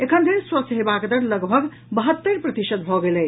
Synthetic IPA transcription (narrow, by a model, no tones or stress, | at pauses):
ekʰənd̪ʱiɾswəsɦebakd̪əɾləɡbʱəɡ | bəɦət̪ːəɾpɾət̪isəd̪̚bʱɔɡelɛ